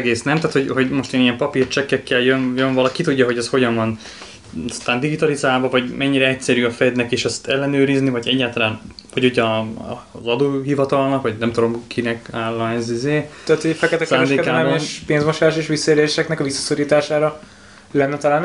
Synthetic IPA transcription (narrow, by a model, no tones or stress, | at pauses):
ɡeːsnɛmt̪aːt̪ho̞ɟho̞ɟmo̞ʃt̪eːnijɛmpɒpiːrt͡ʃɛkːɛkːɛljønjønvɒlɒkit̪uɟːɒɦo̞ɟɛsho̞ɟɒɱvɒn | st̪aːnd̪iɡit̪ɒlizaːlvɒvɒɟmɛɲːiɾɛɛc̚sɛɾyːɒfɛd̪nɛkeːʃɛst̪ɛlːɛnøːɾiznivɒɟɛɟːaːlt̪ɒlaːnhɒɟoɟɒ̰ | zɒd̪oːɦivɒt̪ɒlnɒkʋɒɟnɛmt̪ud̪o̞mkʰinɛkaːlːɒɛzizeːaːt̪hofɛkɛt̪ɛksːɾɛd̪eːkdkɛːlɛmeʃpeːnzmoʃaːʃeːʃʋisːɒeːɾeːʃɛknɛkɒvisːɒ̥soɾiːt̪aːʃaːɾɒ | lɛnːɛt̪ɒlaːn